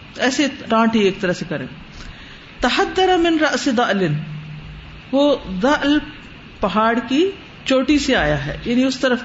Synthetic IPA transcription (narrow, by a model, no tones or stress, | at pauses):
ɛːseɾãːʈieːk̚t̪ɐɾəsekɐɾḛ̃ː | t̪ɐɦɐd̪ːɐɾamɪnɾɐʔsɪd̪ɐʔlɪn | ʋoːd̪ɐʔl | pɐɦaːɽki | t͡ʃoːʈiseaːjaɦɛ̰ːjaːniʊst̪ɐɾəf